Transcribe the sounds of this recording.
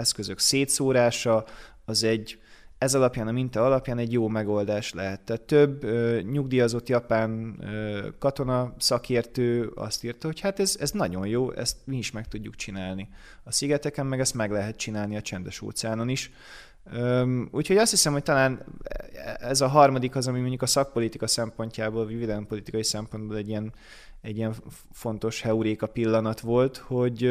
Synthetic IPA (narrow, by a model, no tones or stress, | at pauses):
ɛskøzø̞kseːt̪soːɾaːʃɒ | ɒzɛɟːɛzɒlɒpjaːnɒmint̪ɒːɒlɒpjaːnɛɟjoːmɛɡo̞ld̪aːʃlɛ̰ɦɛt̪ːɛːt̪ːøbøɲuɡd̪ijɒzo̞t̪jɒpaːnøkɒt̪o̞nɒsɒkʰeːrt̪øːɒ̰st̪iːrt̪ɒho̞chaːt̪ɛzɛznɒɟo̞njoːʔɛ̰st̪miiʃmɛk̚t̪uɟːukt͡ʃinaːlni | ɒsiɡɛt̪ɛkɛmːɛɡɛst̪mɛɡlɛɦɛt̪t͡ʃinaːlniɒt͡ʃɛnd̪ɛʃo̰ːt̪saːnoniʃ | øuːcho̞ɟɒst̪hisɛmho̞c̚t̪ɒlaːn | ɛzɒɦɒrmɒd̪ikɒzɒmimoɲɟukɒsɒk̚po̞lit̪ikɒsɛmpo̞ɲcaːboːlvivid̪ɛlɛmpo̞lit̪ikɒjisɛmpo̞nd̪boːlɛɟiɛn | ɛɟːijɛɱfo̞nt̪o̞ʃhɛuɾeːkɒpilːɒnɒt̪ʋo̞lt̪ho̞ɟ